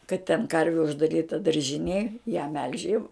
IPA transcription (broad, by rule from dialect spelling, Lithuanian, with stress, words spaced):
kɐt tʲɛn ˈkɐrʲʋʲɪ ʊʒdɐˈrʲiːtɐ dɐrʲʒʲɪˈnʲeːj jæː mʲɛlʲʃʲ jɛʊ